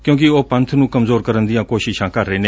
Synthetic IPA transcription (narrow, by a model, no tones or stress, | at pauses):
kjõːk̬ɪoːpənt̪ʰnũːkəmzoːɾkəɾənd̪ɪjãːkoːʃɪʃãːkəɾːeːneː